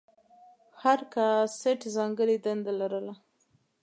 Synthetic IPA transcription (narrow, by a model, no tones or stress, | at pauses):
haɾkaseʈzɑŋɡəɾid̪and̪alaɾəla